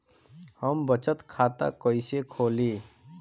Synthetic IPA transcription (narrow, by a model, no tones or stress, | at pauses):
həmbət͡ʃət̪kʰat̪a̰kəɪsekʰoːli